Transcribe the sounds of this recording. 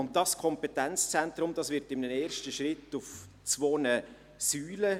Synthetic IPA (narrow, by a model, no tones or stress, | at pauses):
ʊnt̚d̥ɑskʰɔmpɛtɛnt͡st͡sɛntɾʊmd̥ɑsʋɪɾtɪmnəneːɾʃtəʃrɪtʊf | t͡sʋoːnə | syːlə